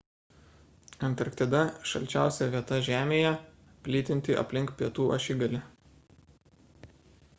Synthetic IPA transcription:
ɐnˑt̪ɐɾkt̪ʲɛd̪ɐʃɐ̰lʲt͡ʃʲæˑʊsʲɛʋʲiɛt̪ɐʒʲæːmʲeːjɛ | pʲlʲiːt̪ʲɪnʲt̪ʲɪʔɐ̰pʲlʲɪŋkpʲiɛt̪uːʔɐ̰ʃʲɪɡɐlʲɪ

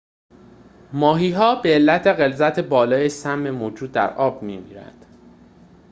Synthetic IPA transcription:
mɒːɦiːɦɒːbe̞ːlːæt̪ʰe̞ɣe̞lzæt̪ʰebɒːlɒːjesæmːe̞moːd͡ʒuːd̪ːæ̰ɾʔɒːbmiːmḭːɾæ̰nd̪̥

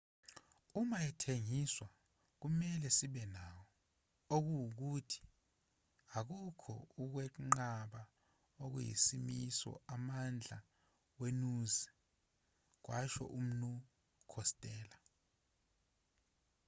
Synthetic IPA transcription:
umajɛtʰeŋiswa | k̬umɛlɛsiɓɛnawɔ | ok̬uwuk̬utʰi̥ | ak̬ukʰɔ̰uk̬wɛŋ͡ǃaɓa | ok̬ujḭsimisɔ̰amand͡ɮʱa̰ | wenuzi | k̬wʔaʃɔ̰ʔum̩nu | kʰɔstʼɛːla

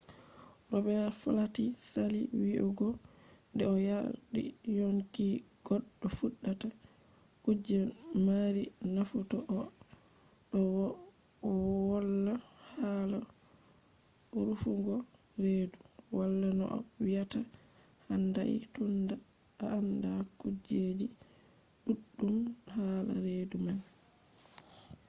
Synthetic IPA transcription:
ʔɔbɛfɔ̰latisalḭwiʔɔɡɔ | ndɛɔjaɗḭjoŋki | ɡ̥ɔɗːɔfuɗːata | kud͡ʒɛmaɾinafutɔʔɔ | ɗɔwɔː | walːa | hala | ɔɾufuɡɔɾeduwalːanɔ̰ʔɔ̰wijata | handaḭtunda | aamdakud͡ʒed͡ʒi | ɗuɗːumhala̰ɾeduman

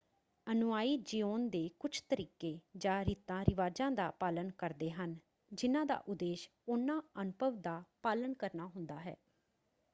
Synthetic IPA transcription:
ənʊʋaːiːd͡ʒiːoːnd̪eːkʊt͡ʃʰt̪əɾiːkeːd͡ʒãːɾiːt̪ãːɾɪʋaːd͡ʒãːd̪a̰ːpaːlənkəɾd̪eːɦən | d͡ʒɪnãːd̪a̰ːʔʊd̪eːʃ | ʊnãːənʊbʱəʋd̪aːpaːlənkəɾnaːɦʊ̃nd̪aːɦɛ̰ː

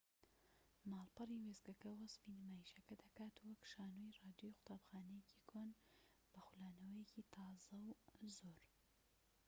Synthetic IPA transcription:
mɑːlˠpɨriwezɡɐkɐwɐsfinɨmaːjiʃɐkɐd̪ɐkaːt̪uwɐkʃaːnoirɑːd̪jojqʊ̥t̪ʰaːbxaːnɐjecikʰoːn | b̥ɐxulaːnɐwɐjecit̪ʰɑːzɐwzoɾ

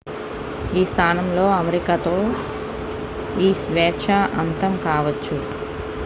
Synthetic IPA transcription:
iːst̪ʰaːnɐmlo̞ːɐmeɾikat̪o̞ː | iːsʋɛːʂʰaʔɐnt̪ɐmkaːʋɐt͡ʃːu

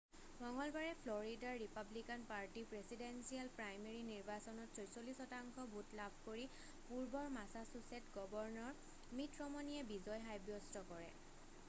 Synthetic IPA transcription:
bʱɔŋɔlbaɹɛpʰlɔɹidaɹːipablikanpaɹtipɹesidensialpɹajmeɹiniɹbasɔnɔtsɔjsolisɔtaŋkʰɔbʱutlabʱkoɹi | puɹbɔɹmasasusetɡɔbɔɹnɔɹ | mitɹɔmɔniɛbizɔjɦajbjɔstɔkɔɹɛ̰

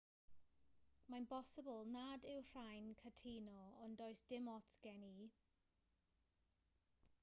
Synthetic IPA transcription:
manpɔsɪbəlˠnadɪwr̥ajnkʰətʰiːnɔɔndɔjsd̥ɪmɔtʰɡ̥ɛni

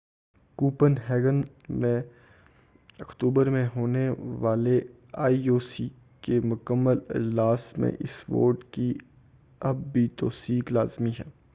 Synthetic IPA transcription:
kuːpənɦɛːɡən | mẽ | ɐkt̪uːbəɾmẽɦoːneʋaːle | aːioːsi | kemʊkəmːəlɪ̰d͡ʒlaːsmḛ̃ʔɪsʋo̰ːɾʈki | ɐb̚ːʱit̪oːsiːklaːzmiɦɛː

